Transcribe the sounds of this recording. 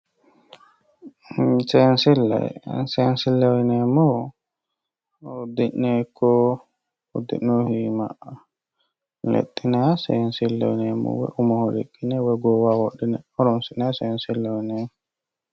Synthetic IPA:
sɛnsilːa̰jsɛnsilːawnɛmɔ | dinːɛkɔ | ud̪ḭnːohima̰ | lḛɗːinasɛnsilːa̰wnɛmɔ̰wɛ̰ʔumɔhoɾḛkːinɛwɛɡɔwawɔɗːɛnɛ̰ɔɾɔmsinasɛnsilːawnɛmɔ

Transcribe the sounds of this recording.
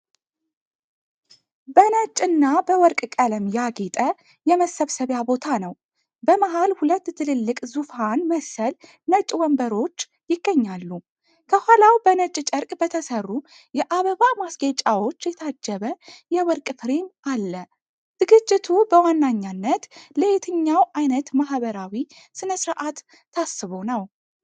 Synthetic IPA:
bənət͡ʃʼːɨnːabəwɔɾkʼkʼələmjaɡet̪ʼə | jɛməsəβsəβjabo̞t̪ʰanəw | bəmaɦalhulət̪ːt̪ʰɨlɨlːɨkʼzufanməsəl | nət͡ʃʼwɔmbəɾo̞t͡ʃː | jɪɡ̥ːəɲːalːu | kʰəhʷalawbənət͡ʃʼt͡ʃʼəɾkʼbət̪ʰəsərːu | jɛʔaβəβamasɡet͡ʃʼawo̞t͡ʃːjɛt̪ʰad͡ʒːəβəjɛwɔɾkʼɨfɾemʔalːə | d̪̥ɨɡɨd͡ʒt͡ʃʼːɪt̪ʰubəwanːaɲːanːət̪ləhet̪ʰɨɲːawʔajnət̪maɦβəɾawi | sɨnəsɾaʔat̪ːʰ | asːɨβo̞nəw

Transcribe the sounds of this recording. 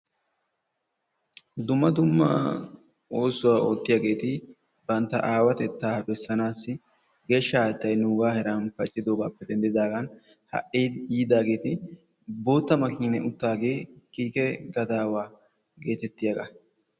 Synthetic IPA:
d̪ʊmːɐd̪ʊmːa̰ː | o̞ːsʊwaːoːt̪ːɪjaːɡe̞ːt̪ɪ | bɐnt̪ːɐʔaːwɐt̪ɛt̪ːaːbɛsːɐnaːsːɪ | ɡɛʃːaːt̪ːɐjnuːɡaːhɛɾanfɐt͡ʃʼːɪd̪oːɡaːpːɛd̪ɛnd̪ɪd̪aːɡɐnhɐ̰ʔiːd̪iːd̪aːɡe̞ːt̪ɪ | bo̞ːt̪ːɐmɐkiːnɛʔʊt̪ːaːɡe̞ːkʼiːkʼɛɡɐd̪aːwaː | ɡe̞ːt̪ɛt̪ːɪjɐɡɐ

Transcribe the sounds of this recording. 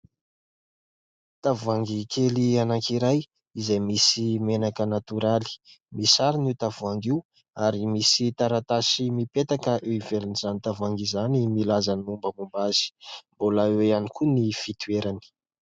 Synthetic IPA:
t̪avuaŋɡikʰelianakiɾaj | izajmisimenakənat̪uɾali̥misaɾinit̪avuaŋɡiw | aɾimisit̪aɾat̪asimipet̪akəʔeivelinizanit̪avaŋɡizanimilazanumbəmumbaz̥i̥mbolaeanikunifit̪ueɾani̥

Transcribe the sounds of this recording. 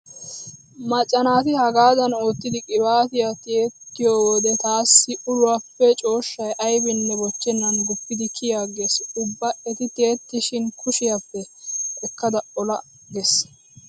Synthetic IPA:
mɐt͡ʃʼːɐnaːt̪ɪhɐɡaːd̪ɐno̞ːt̪ːɪd̪ɪkʼɪbaːt̪ɪjat̪eːt̪ːɪjoːwɔd̪ɛt̪aːsːɪʔʊlʊwapːɛt͡ʃʼo̞ːʃːɐjʔɐjbɪnːɛbɔt͡ʃːɛnːɐnɡʊpːɪd̪ɪkʰɪjaːɡeːsʊbːɐʔɛt̪ɪt̪e̞ːt̪ːɪʃɪnkʊʃɪjapːɛɛkːɐd̪ɐɔlɐ | ɡes

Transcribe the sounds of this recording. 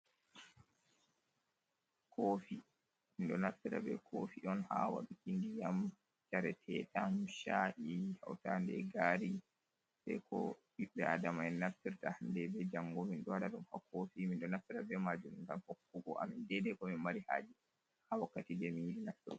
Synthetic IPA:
kʰoːfi | minɗɔnaftiɾa̰bɛ̰kʰofiʔɔnhawa̰ɗukindijam | t͡ʃaɾɛtʰɛɗamʃaʔihawtandɛ̰ɡaːɾi | sɛ̰kɔ̰ɗiɓːɛadamaɛnːaftiɾtahndɛbɛd͡ʒaŋɡominɗɔwaɗaɗumhakʰofiminɗɔnaftiɾabɛmad͡ʒumiŋɡanhokːuɡɔ̰ʔa̰mindɛdɛkɔmimaɾiha̰ːd͡ʒi | hawakːatidɛminjiɗinaftiɾ

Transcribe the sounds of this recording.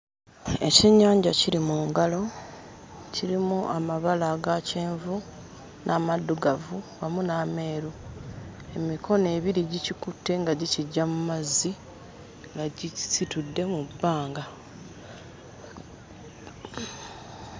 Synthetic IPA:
e̞ceɲːaːɲɟaciɾimuːŋɡalo̞ | ciɾimuʔamaβalaɡaceːɱvu | nʔaːmadːuɡavuwamunaːme̞ːɾu | e̞mikʰo̞ne̞ːβiɾiɟicikutːe̞ŋɡaɟiciɟːamumazːi | ŋɡaɟisitudːe̞mubːaːŋɡa

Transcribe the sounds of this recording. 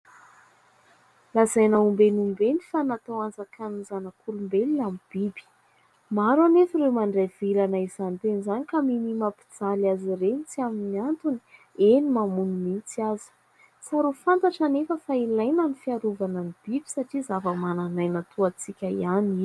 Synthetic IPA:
lazajnəumbenumbenifanat̪owand͡zakanizanakulumbelinamib̥ibi̥ | maɾanefiɾemaɳɖ͡ʐav̥ilanaiz̥ant̪enizanikaminimapi̥d͡zalazirenit͡siaminiant̪uni̥ | enimamunimit͡siazi̥ | t͡saɾufant̪aʈ͡ʂanefəfailajnanifiaɾuvananib̥ibi̥saʈ͡ʂizavəmananajnat̪ʰuat͡sikʲaiani

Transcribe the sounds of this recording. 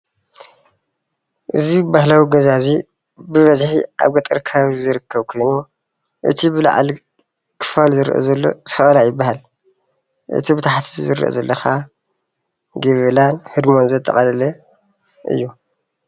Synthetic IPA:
ʔɨzibahlawiɡɐzazi | bɨβɐzħḭʔa̰βɡɐt̪ʼɨɾkʰɐβaβizɨɾɨkʰːɐβkʰojnu | ʔɨ̰t̪ʰibɨla̰ʕa̰l | kʰɨ̥falzɨɾʔo̰zɐlːo̞̰z̥ɨfɐʔʼɐlajɪbːahal | ʔɨ̰t̪ʰibɨt̪ʰaħt̪ʰizɨɾɨʔo̰zɐlːɐxa | ɡɐβɐlanhɨd̪mo̞nzɐt̪ʼːɐχʼɐlɐlɐ | ʔɨ̰jːu

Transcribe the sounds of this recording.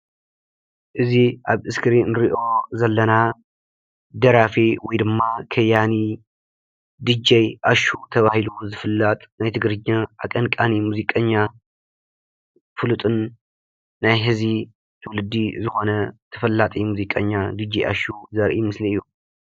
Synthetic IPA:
ʔɨziʔaβʔɨskʰɨɾinɨɾiʔo̞zɐlːɐna | d̪ɐɾafiwɔjd̪ɨmːakʰɐjani | d̪ɨd͡ʒɐjʔaʃut̪ʰɐβahiluzɨfɨlːat̪ʼnajt̪ʰɨɡɾɨɲːaʔakʼɐnkʼanimuzikʼɐɲːa | fɨlut̪ʼɨnː | ajɦɨzi | t̪ʰɨwlɨd̪ːizɨxo̞nɐt̪ʰɐfɐlːat̪ʼimuzikʼɐɲːad̪ɨd͡ʒːijʔa̰ʃuzɐɾʔimɨsliɨjːu

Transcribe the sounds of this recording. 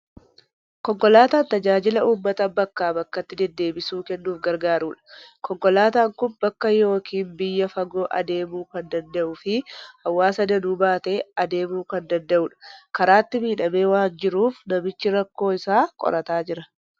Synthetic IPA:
kɔŋkɔlaːt̪aːnt̪ɐd͡ʒaːd͡ʒɪlɐuːmːɐt̪ɐbɐkːaːbɐkːɐt̪ːɪd̪ɛd̪ːe̞ːbɪsuːkɛnːuːfɡɐɾɡaːɾuːᶑɐ̥kɔŋkɔlaːt̪aːŋkʊnbɐkːɐjo̞ːkʰiːnbɪjːɐfɐɡo̞ːʔɐ̰d̪e̞ːmuːkɐnd̪ɐnd̪ɐʔʊfɪhɐwːaːsɐd̪ɐnuːbaːt̪e̞ːɐd̪e̞ːmuːkɐnd̪ɐnd̪ɐʔʊːᶑɐ̥kɐɾaːt̪ːɪmiːᶑɐme̞ːwaːnd͡ʒɪɾuːfnɐmɪt͡ʃːɪɾɐkːo̞ːɪsaːkʼɔ̰ɾɐt̪aːd͡ʒɪɾɐ̥

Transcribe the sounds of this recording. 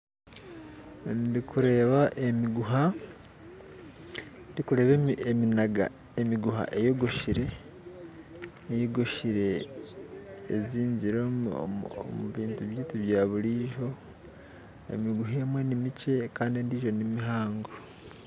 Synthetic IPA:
ndikuɾe̞ːβaʔemiɡuɦa | ndikuɾe̞βeeminaɡa̰ | emiɡuha̰ʔe̞joɡoʃiɾe̞ | joɡoʃiɾe̞ | ziːɲɟiɾo̰ | muβiːntuβjiːtuβjaːβuɾiːʒo̞ | ḛmiɡuɦeːmwe̞nimice̞kaːndindiːʒo̞nimiɦaːŋɡo

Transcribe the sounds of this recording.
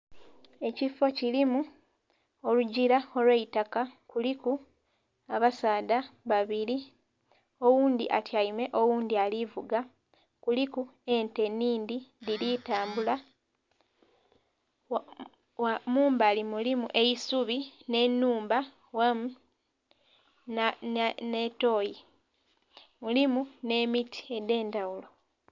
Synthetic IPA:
e̞cifo̞cilimu | o̞luɟiɾao̞lweitakakuliku | aβasaːdaβaβili | o̞wuːnd̪ḭʔa̰tʰjajime̞ʔo̞wuːnd̪ialivuɡa | kulikue̞nte̞nːiːnd̪idilitaːmbula | amuːmbaːlimulimuʔe̞jisuβine̞nːuːmba | wamu | neto̞ːji | mulimune̞mitʰi̥e̞de̞ːndawulo̞

